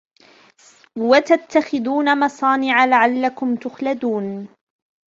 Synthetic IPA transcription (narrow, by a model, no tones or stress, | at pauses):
wat̪at̪ːaxɪðuːnamɑsˤɑːnɪʕalaʕalːakʊmt̪ʊxlad̪uːn